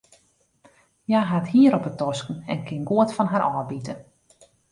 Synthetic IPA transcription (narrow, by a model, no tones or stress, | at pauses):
jaɦathiəɾɔpətɔskən̩ɛ̰nkɪnɡuətfɔnɦaɾʔɔːbitə